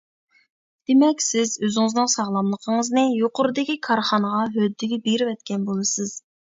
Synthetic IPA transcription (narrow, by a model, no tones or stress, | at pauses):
d̪̥emɛkʲsɪzøzɪŋɪznɨŋsɑʁlˠɑmlˠəqʰəŋəznɨjoqʊɾɨd̪ɪkʲikʰɑɾχɑnəʁɑɦød̪ːɪɡʲɛbeɾɪvɛt̪̚kʲɛnbolˠɨsɨz̥